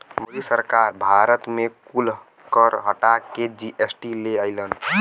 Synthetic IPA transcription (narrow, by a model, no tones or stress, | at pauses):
məd̪isəɾkaɾbʱaɾət̪mekul | kəɾɦəʈakːed͡ʒiʔesʈileəɪlən